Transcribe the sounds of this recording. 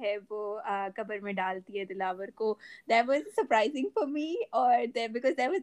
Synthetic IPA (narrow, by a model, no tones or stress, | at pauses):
ɦɛʋoəkɐbəɾmẽɖaːlt̪iɦɛd̪ɪlaːʋəɾkod̪ɛʈʋɔzsəɾpɾaɪzɪ̃ŋfɔɾmiːɔːɾd̪ɛbɪkɔːzd̪ɛʋɔz